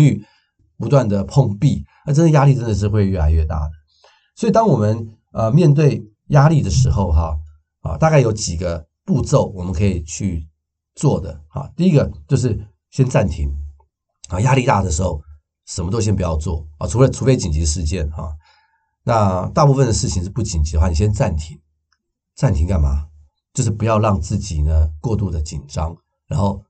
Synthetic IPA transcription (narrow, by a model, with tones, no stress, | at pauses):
ŋy˥˩ | pu˧˥t̪wa˥˩nd̪ə˩pʰʊ˥˧ŋpi˥˩ | ə˞˧˥˩ʈ͡ʂə˥nə˧ja˥li˥˩ʈ͡ʂə˥nd̪ə˨ʂ̬ɻ̩˥˧xwe˥˧ɪɥɛ˥˩la˧ɪɥɛ˥˧t̪a̰˥˩d̪ə˩ | swɔ˧˥i˨˩t̪ɑ˥ŋwɔ˨˩mə˦n | ə˧mjɛ˥˧nt̪̬we˥˩ɪ | ja˥li˥˩d̪ə˩ʂɻ̩˧˥xo˥˧ʊxɑ˧ | ɑ̰˨˧t̪a˥˧ka˥˩jo˧˥ʊt͡ɕi˨˩ɡə˦ | pu˥˧t͡so˥˩ʊwɔ˨˩mə˦nkʰɤ˧˥i˨˩t͡ɕʰy˥˧ | t͡swɔ˥˩d̪ə̰˩xɑ̰˨˧t̪i˥˩i˦˥ɡə˨t͡ɕjo˥˧ʊʂ̬ɻ̩˥˩ | ɕɥɛ˥nt͡sa˥˩nt̪ʰi˧˥ŋ | ɑ˥˩ja˥li˥˧t̪a˥˩d̪ə˩ʂ̬ɻ̩˧˥xo˥˩ʊ | ʂə˨˩nmə˧t̪o˥ʊɕjɛ˥npu˧˥jɑ˥˧ʊt͡swɔ˥˩ɑ̰˨˩ʈ͡ʂʰu˧˥lə˧ʈ͡ʂʰu˧˥fe˥ɪt͡ɕi˨nt͡ɕi˧˥ʂɻ̩˧˥t͡ɕjɛ˥˩nxɑ̰˥˩ | na˥˧t̪a˥˧pu˥˧fə˥˨nd̪ə˩ʂɻ̩˥˩t͡ɕʰi˧ŋʂɻ̩˥˧pu˥˩t͡ɕi˨˩nt͡ɕi˨˧˥də˧xwa˥˨ni˨˩ɕjɛ˥nt͡sa˥˩nt̪ʰi˧˥ŋ | t͡sa˥˩nt̪ʰi˧˥ŋka˥˩nma˨ | t͡ɕjo˥˧ʊʂ̬ɻ̩˥˩pu˧˦jɑ˥˧ʊɻɑ˥˧ŋt͡sɹ̩˥˩t͡ɕi˨˩nə˦kwɔ˥˧t̪u˥˩d̪ə˩t͡ɕi˨˩nʈ͡ʂɑ˥ŋ | ɻa˧˥nxo˥˩ʊ